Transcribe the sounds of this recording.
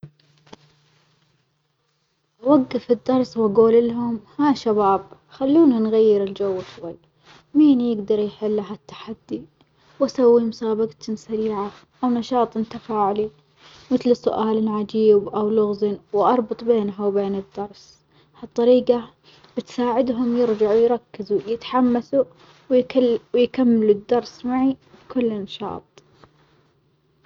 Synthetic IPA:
ʔawaɡːɪfɪd̪ːɑɾˤswʔaɡuːlɪlɦʊmhaʃabaːb | xalːuːninɣajːɪɾɪld͡ʒawːatwal | miːnjɪɡd̪ɑɾˤjħɪlːaɦat̪ːḁħad̪ːi | wʔasawːimʊsaːbaɡt̪ʊmsaɾiːʕa | ʔawnɑʃɑːt̪ˤɪnt̪afaːʕli | mɪθlsʊ̰ʔaːlɪlʕad͡ʒiːbʔawlʊɣzɪnwʔɑɾˤbɨt̪ˤbeːnɦawbeːnɪd̪ːɑɾˤs | hɑt̪ˤːɑɾiːqɑ | b̥ɪt̪saːʕɪd̪ɦʊmjɪɾd͡ʒaʕujɾˤɑkːɪzujɪt̪ħamːasu | wjwjkamːɪluʊd̪ːɑɾˤsmaʕibkʊlːnɑʃɑ̰ːt̪ˤ

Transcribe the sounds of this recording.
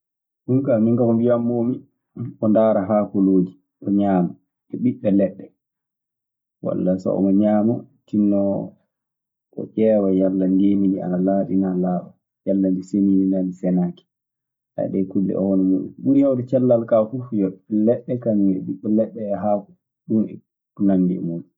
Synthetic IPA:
ɗuŋkamiŋkakɔmbijamːomi | ɔndaːɾaɦaːkɔloːd͡ʒi | ʔɔɲaːma | ʔɔɓiɓːɛlɛɗːɛ | wa̰lːasɔ̰ɔ̰maɲaːmatinːɔ | ɓɔ̰ʔɛːwajalːandemidia̰nalaɗinalaːɗɔ | jalːand͡ʒisenidinanisɛnaki̥ | ʔa̰ɗɛkulːɛ̰ʔɔwɔnɛmuɗṵnɗunjawdit͡ʃɛlːalkafufjɔlɛɗːɛkamiɛ̰ɓiɓːɛlɛɗːɛːɦaːku | ɗunɛ | kunambḭmum

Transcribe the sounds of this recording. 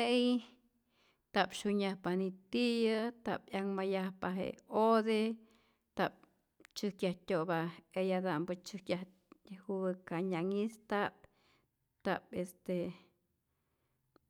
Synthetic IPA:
eʔj | t̪apʃuɲahpanit̪ijɨt̪a̰pjaŋmajahpaɦḛod̪e | t̪ap̚ | t͡ʃɨhkjahtʲobaejad̪ambɨt͡ʃɨhkjah | huɨkaɲaŋist̪ap̚ | t̪apest̪e

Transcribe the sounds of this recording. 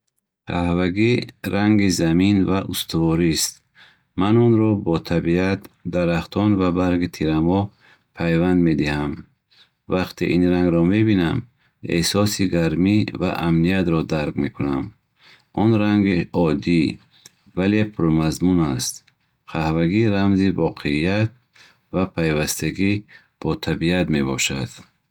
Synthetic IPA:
qʰahvaɡiɾaŋɡizaminvaʔust̪uvɔɾist̪̚ | manɔnɾɔbɔt̪ʰabiat̪d̪aɾaχt̪ʰɔnvabaɾɡit̪ʰiɾamɔ | pʰajvand̪med̪iham | vaqt̪ʰḭʔinɾaŋɡɾɔmebinam | ḛsɔsiɡaɾmiva̰ʔamnijat̪ɾɔd̪aɾɡmekʰunam | ɔnɾaŋɡiɔd̪i | vale̞pʰuɾmazmunast̪ | qʰahvaɡiɾamzivɔqʰeijat̪̚ | vapʰajvast̪ʰaɡi | b̥ɔt̪ʰabiat̪me̞bɔ̰ʃad̪̥

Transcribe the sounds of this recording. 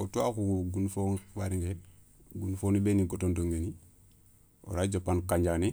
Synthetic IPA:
otuakuɡunufoːnwaɾiŋɡe | ɡunfonibeniɡotondoŋɡeni | o̰ɾaːd͡ʒopːankaɲɟani

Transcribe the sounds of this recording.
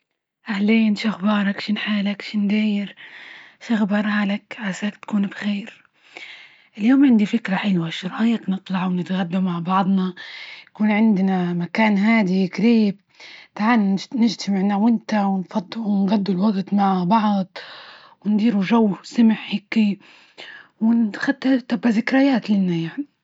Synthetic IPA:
ʔahleːnʃaxbɑːɾˤɑkʃɪnħaːlakʃɪnd̪aːjɪɾʃaɣbɑɾˤhaːlakʕasaːkt̪kuːnbxeːɾ | ʔɪljoːmʕɪnd̪ifɪkɾaħɪlwaʃʊɾˤʔajːaknɨt̪ˤlɑʕwnɪt̪ɣad̪ːamaʕbɑʕd̪ˤnɑjakuːnʕɪnd̪namakaːnɦaːd̪iɡɾiːb | t̪aʕaːnnɪʒt̪ʰamɪʕnawɪnt̪awɪnfɑd̪ˤːuwnɣad̪ːulwɑɡt̪ˤmaʕbɑʕd̪ˤ | wɪnd̪iːɾuʒawːsɪmɪħhɪkːi | wɪnxad̪t̪at̪abːazɪkɾajaːt̪lɪnːajaʕni

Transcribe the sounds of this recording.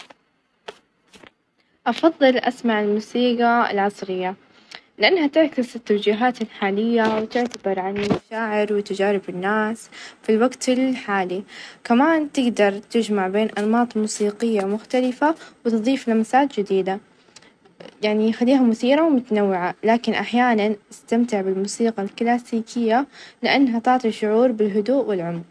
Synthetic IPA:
ʔɑfɑðˤːɨlʔa̰smaʕɪlmuːsiːqɑɪ̰lʕɑsˤɾɪjːa | lɪʔanːhat̪ɪɾkɪsɪt̪ːawd͡ʒiːɦaːt̪ɪlħaːlɪjːawɪt̪ɪʕt̪abɑɾˤʕanmaʃaːʕɪɾwɪt̪ad͡ʒaːɾɪbɪnːaːsfilwaɡt̪ɪlħaːlikamaːnt̪ɪɡd̪ɑɾˤt̪ɪd͡ʒmaʕbeːnʔɑnmɑːt̪ˤmuːsiːqɪjːawmʊxt̪alɪfawɪt̪ɨðˤiːflamsaːt̪d͡ʒɪd̪iːd̪a | jaʕnixalːiːɦamʊθiːɾawmʊt̪anawːɪʕalaːkɪnʔaħjaːnanʔast̪amt̪ɪʕbɪlmuːsiːqɑlklaːsiːkʰɪjːalɪʔanːɦat̪ɪʕt̪ˤiʃʊʕuːɾbɪlɦʊd̪uːʔwɪlʕʊmɾ

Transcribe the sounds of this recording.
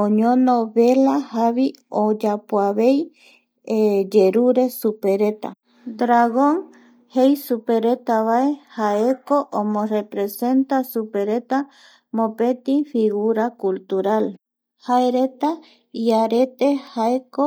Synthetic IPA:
oɲõnoβelahaβi | od͡ʒapwaβej | ed͡ʒeɾuɾesupeɾe̞t̪a̰ | d̪ɾaɣoŋ | hejsupeɾet̪aβaehaekoʔomõrepɾese̞nt̪asupe̞ɾe̞t̪a | mõpet̪ifiɣuɾakult̪uɾal | haeɾet̪a | iaɾet̪ehaeko

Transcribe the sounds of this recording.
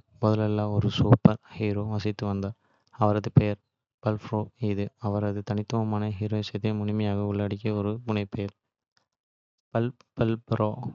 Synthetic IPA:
mɔðɐlɐlːãːɔɾɯsuːpːɐɾhiːɾoːʋɐsɪt̪ːɯʋɐnd̪aː | ɐʋɐɾɐðɯpɛjɐɾ | pɐlfɾoːɪðɯɐʋɐɾɐðɯt̪ɐnɪt̪ːɯmɐmaːnɐɦiːɾoːɪsɐt̪ːɐmʊɳɪmɐjaːɣɐʊɭːaːɽɪk̬ʲːɐɔɾɯpʊnɐɪpɛjɐɾ | pɐlpɐlpɾoː

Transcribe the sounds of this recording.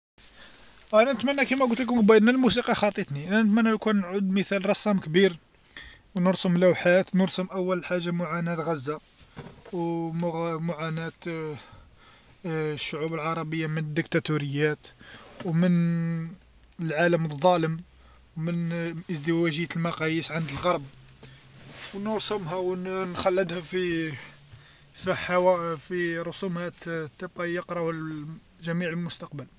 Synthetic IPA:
ʔænænət̪mænːækæmæɡult̪lək̬mbæd̪nælmusiqɑxɑt̪ˤːit̪niʔænænət̪mænːænkunːʕʊd̪məθælɾˤɑsːˤɑmkbiɾ | wnəɾsəmlæwħat̪nəɾsəmʔæwːəlħaʒːamʊʕanæt̪ɣæzːa | w | mʊʕanæt̪ | ʃːʊʕubəlʕɑɾˤɑbəjːamənəd̪ːək̚t̪æt̪uɾəjːæt̪wmən | əlʕaləməd̪ˤːɑləm | wmənʔəzd̪əwæʒəjːælmɑqɑjəsʕand̪əlɣɑɾˤb̚ | wnəɾsumɦæwnxælːəd̪hæfi | fiħawæfiɾˤʊsumhæt̪t̪ːəb̚qɑjəqɾɑh | ʒæmiʕəlmʊst̪ɑqbəl

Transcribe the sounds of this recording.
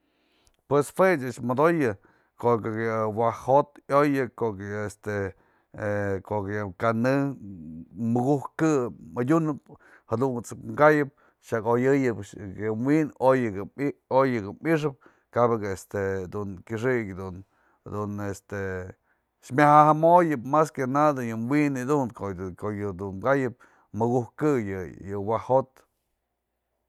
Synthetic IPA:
pwesfwet͡ʃat͡ʃmad̪ojɨ | koʔkawahot̪ojɨkokest̪e | koʔkkanɨ | mɨɡuhkkɨpmɨd̪ʲunɨp̚ | had̪unt͡sɨkŋɡajɨp̚ | ʃakojɨjɨpkemwinojɡɨojɨɡɨmiʂ̬ɨp̚ | kabɨɡaest̪ed̪unkʲɨʂ̬ikʲd̪un | d̪unest̪e | ʃmʲahahamojɨpmaskʲanad̪ɨjɨmwinɨd̪unkokojɨd̪unɡajɨp̚ | mɨɡuhkɨjɨjɨwahot̪

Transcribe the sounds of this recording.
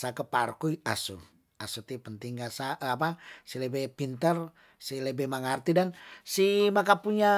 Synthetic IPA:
sakəparkuiasṵ | asut̪ipənt̪iŋɡasaap̬asiləbɛpint̪ər | siləbɛmaŋart̪idansimakapuɲa

